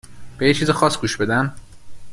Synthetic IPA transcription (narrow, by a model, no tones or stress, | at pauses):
b̥ejet͡ʃʰiːzixɒːsɡuːʃbe̞d̪æm